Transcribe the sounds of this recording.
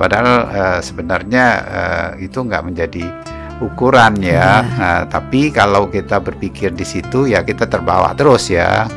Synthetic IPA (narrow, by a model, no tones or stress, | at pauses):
padaɦaləsəbənarɲaə̰it̪uŋɡa̰ʔməɲd͡ʒadi | ukuɾanjaət̪a̰pikalawkit̪abərpikɪrdisit̪ujakit̪at̪ərba̰wa̰ʔt̪əɾʊsja̰